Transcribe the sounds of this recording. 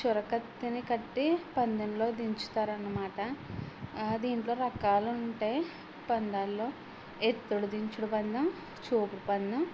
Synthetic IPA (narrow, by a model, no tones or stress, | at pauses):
t͡ʃuɾɐkɐt̪ːinikɐʈːipɐnd̪ɐnlo̞ːd̪iɲt͡ʃu̥t̪aːɾɐnːɐmaːʈɐ | d̪iːɳʈlo̞ːɾɐkaːlɐuɳʈe̞ː | pɐnd̪aːlːo̞ː | et̪ːuɽud̪iɲt͡ʃuɽubɐnd̪ɐm | t͡ʃuːpuɽupɐnd̪ɐm